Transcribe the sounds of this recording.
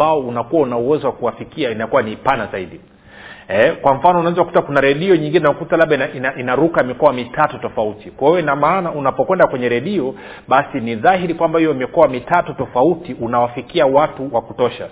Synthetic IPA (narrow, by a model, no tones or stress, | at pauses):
aɔunakuwaunauwɛzɔwakuwafikiainakuwaniːpanazaiɗi | ɛkwam̩fanɔunawɛzawakutakunaɾɛɗiɔɲiŋɡinɛnaɔkutalabɓɗainainaʔinaɾukamikɔamitatutɔfautikwaiwɛinamaːnaunapɔkwɛndakwɛɲɛɾɛɗiɔ | ɓasiniðahiɾikwambahijɔmikɔwamitatutɔfautiʔunawafikiawatuwakutɔʃa̰